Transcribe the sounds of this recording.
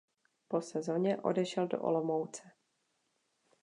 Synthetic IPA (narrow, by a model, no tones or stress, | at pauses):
po̞sɛzo̞ɲɛʔo̞̰dɛʃɛldo̰ʔo̰lomowt͡sɛ